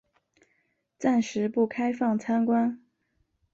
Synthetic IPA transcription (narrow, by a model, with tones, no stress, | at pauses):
t͡sa˥˩nʂɻ̩˧˥pu˥˩kʰa˥ɪfɑ˥˩ŋt͡sʰa˥nkwa˥n